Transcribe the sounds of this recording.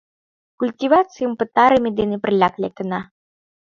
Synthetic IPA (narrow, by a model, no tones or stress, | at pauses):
kulʲtʲivat̪sɨjumpɨt̪aɾɨmʲid̪ɨnɨprlʲaklʲekəna